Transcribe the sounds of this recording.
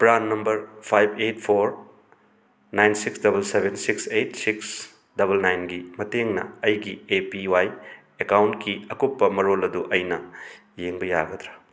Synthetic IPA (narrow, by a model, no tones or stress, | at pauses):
pɾanːɐmbɐɾpʰajbʱetpʰoɾ | najnsiksdɐbɐlsebʱensiksetsiks | dɐbɐlnajnɡimɐteŋnɐ̰ɐjɡiepiwaj | ekawntkʰiɐkupːɐmɐɾolɐduʔɐjnɐ | jeŋbɐja̰ɡɐd̪ɾɐ̥